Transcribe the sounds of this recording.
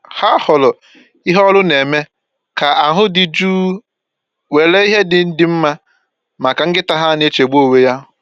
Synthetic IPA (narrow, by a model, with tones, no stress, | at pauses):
ha˦hʊ˨lʊ˨ | i˦ɦɔ˦lʊ˦ne˨me˦ | ka˨ʔa˨ɦʊ˦dɪ˨d͡ʒuː˦ | we˨le˦i˦ɦe˦dɪ˨n̩˦dɪ˨m̩˦ma˦ | ma˨ka˨ŋ̩˦ɡɪ˦ta˦ɦa˦ne˦t͡ʃe˨ɡ͡bu˦o˦˨we˦ja˦ɦʊ˦